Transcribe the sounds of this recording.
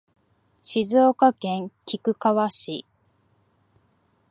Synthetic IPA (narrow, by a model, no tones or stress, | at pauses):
ɕizoːkakẽ̞ŋkʲikɯ̟kaβaɕi